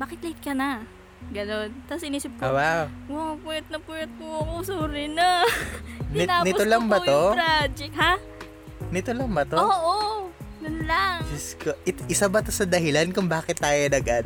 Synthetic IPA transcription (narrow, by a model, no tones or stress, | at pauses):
baːkɪt̪̚lɐɪt̪̚kɐnɐ | ɡɐno̞nt̪ɐsʔɪniːsɪp̚kowawɐpwɛt̪̚nɐpwɛt̪̚koɐkosuːɾɪna | nɪanɪolɐŋbɐoɾad͡ʒɪkha | nɪt̪olɐŋbɐt̪ooːʔoj̪ʊnlaŋd͡ʒɪskoʔɪt̪ʔɪsabɐt̪osɐd̪ɐɦɪlankʊŋbaːkɪt̪ːaːjonɐɡad̪